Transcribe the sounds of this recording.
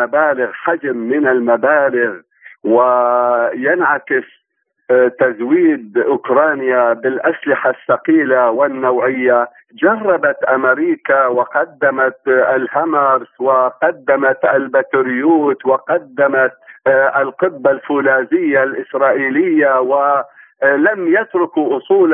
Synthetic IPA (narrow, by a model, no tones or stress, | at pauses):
abaːlɪɣħad͡ʒmːɪnalmabaːlɪɣ | wɪ | janʕakɪs | t̪azwiːd̪̚ʔʊkɾˤɑːnjabɪlʔaslɪħasːɑqiːlawɪnːawʕɪjːa | d͡ʒɑrˤːɑbat̪ʔamɪɾiːkawɪqɑd̪ːamat̪lhamɑɾswɪqɑd̪ːamat̪ʔalbat̪ʊɾjuːt̪wɪqɑd̪ːamat̪ɪlqɪbːalfuːlaːzɪjːalʔɪsɾˤɑːʔiːlɪjːawɪ | lamjat̪ɾʊkuʔʊsˤuːl